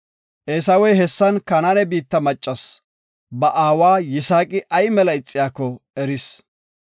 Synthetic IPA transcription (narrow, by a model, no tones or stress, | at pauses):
ʔeːsɐwɔjɦɛsːɐnkɐnɐnɛbiːt̪ːɐmɐt͡ʃʼːɐs | bɐʔaːwaːjɪsaːkʼɪʔɐjmɛlɐɪt͡sʼːɪjaːkːɔɛɾɪs